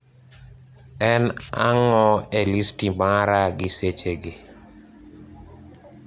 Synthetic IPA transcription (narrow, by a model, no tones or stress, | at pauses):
ɛna̰ŋɔelistimaɾaɡɪset͡ʃeɡe